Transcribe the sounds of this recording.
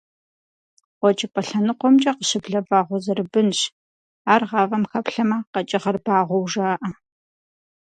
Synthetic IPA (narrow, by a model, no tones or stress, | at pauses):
ʁʷɔt͡ʃʼɪpʼɐɬɐnɨqʷɔmt͡ʃʼɐqəɕɪbɮɐbaːʁʷɔzɐrɨbɨnɕ | aːrʁɑːvɐmxɐpɬɐmaqɐt͡ʃʼɪʁɐrbaːʁʷɔwʒaːʔɐ